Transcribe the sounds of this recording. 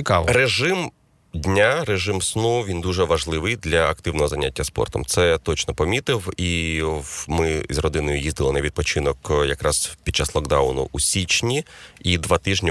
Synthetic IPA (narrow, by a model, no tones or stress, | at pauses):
ikɑʋɔreʒɪm | dʲnʲareʒɪmsnuʋʲind̪uʒɛʋɐʒlˠɪʋɪjd̪lʲɐɐkt̪ɪwnɔɦɔzɐnʲatʲːɐspɔ̰rt̪ɔmt̪sɛt̪ɔt͡ʃnɔpɔmʲit̪ɪwi | mɪzʲrɔd̪ɪnɔjʊjizd̪ɪlˠɔnɐʋʲid̪̚pɔt͡ʃɪnɔkjɐkɾɑzpʲid̪̚t͡ʃːaslˠɔɡd̪ɑʊnʊ̰ʔusʲit͡ʃnʲiid̪ʋɑt̪ɪʒnʲi